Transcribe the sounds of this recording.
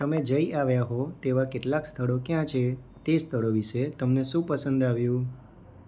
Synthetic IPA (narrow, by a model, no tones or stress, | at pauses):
t̪əmed͡ʒəiʔaʋjaɦot̪eʋakeʈlakst̪ʰəɭokjãt͡ʃʰe | t̪est̪ʰəɭoʋiʃet̪əmneʃũpəsənd̪aʋjũ